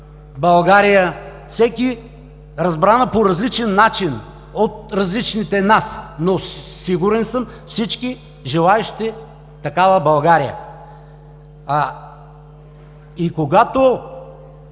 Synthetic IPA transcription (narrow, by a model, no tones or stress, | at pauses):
bɐlˠɡaɾijəfsɛkʲi | ɾɐzbɾanəpoɾɐzlit͡ʃɛnːat͡ʃin | ot̪̚ɾɐzlit͡ʃnit̪ɛnasnosiɡuɾɛnsəm | fsit͡ʃki | ʒɛlˠaɛʃi̥t̪ɛ | t̪ɐkavəbɐlˠɡaɾijə̰ | ikoɡat̪o